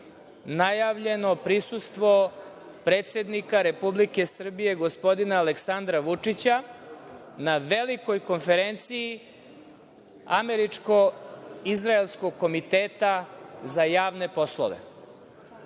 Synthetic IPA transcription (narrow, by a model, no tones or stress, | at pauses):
najaʋʎe̞no̞pɾisust̪ʋo̞ | pɾe̞ːt̪se̞d̪nikaɾe̞publike̞sr̩bije̞ɡospo̞d̪inaːleksand̪ɾaʋut͡ʂit͡ɕa | naʋe̞liko̞jko̞nfe̞ɾent̪siji | a̰me̞ɾit͡ʂko̞izɾaelskoɡ̚ko̞mit̪eːt̪azajaːʋne̞po̞slˠo̰ʋḛ